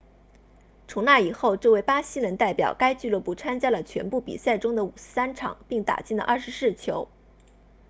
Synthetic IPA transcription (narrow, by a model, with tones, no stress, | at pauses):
ʈ͡ʂʰʊ˧˥ŋna˥˩i˨˩xo˥˧ʊʈ͡ʂɤ˥˧we˥˩ɪpa˥ɕi˥lə˧˥nt̪a˥˩ɪpjɑ̰˨˩ʊka˥ɪt͡ɕy˥˧lwɤ˥˧pu˥˩t͡sʰa˥nt͡ɕja˥lə˨t͡ɕʰɥɛ̰˧˥npu˥˩pḭ˨˩sa˥˩ɪʈ͡ʂʊ˥ŋd̪ə˨u˨˩ʂ̩˥sa˥nʈ͡ʂʰɑ̰˨˩˦ŋpi˥˩ŋt̪a̰˨˩t͡ɕi˥˩nd̪ə̰˩ʔɐ˥˩ʂ̩˧˥sɹ̩˥˩t͡ɕʰjo˧˥ʊ